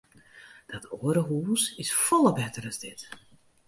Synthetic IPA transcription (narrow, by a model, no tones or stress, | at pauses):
d̥ɔtʰoəɾəɦuːsɪsfɔlˠəbɛtərɑzdɪt